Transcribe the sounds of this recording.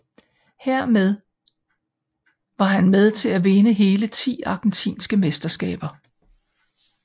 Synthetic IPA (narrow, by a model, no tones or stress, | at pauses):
heɐ̰með̞ˠ | ʋɑ̈ɦænmeð̞ˠt͡sʰe̝læʋe̝nəɦe̝ːlət͡sʰḭːɑ̈ɡ̥ent͡sʰḭːnsɡ̥əmesd̥ɐsɡ̥ɛ̰ːb̥ɐ